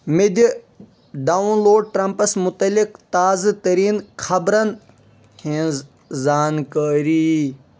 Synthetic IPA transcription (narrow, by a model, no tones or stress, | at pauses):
med̪ | ɖaːunloːɖ̚ʈɾɐmpɐsmʊt̪ɐlɪkt̪aːzt̪ɐɾiːnkʰɐbɾɐn | hẽz | zaːnkəːɾi